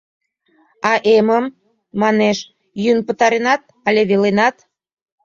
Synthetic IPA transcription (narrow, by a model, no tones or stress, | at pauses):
ɑʔeməmː | ɑneʃ | jynpə̆t̪ɑɾenɑt̪̚ | ɑlʲeβelenɑt̪